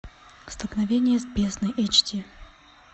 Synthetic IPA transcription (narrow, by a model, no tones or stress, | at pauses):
st̪əlˠknɐvʲenʲɪjəzbʲesnəjʔɐt͡ɕtʲi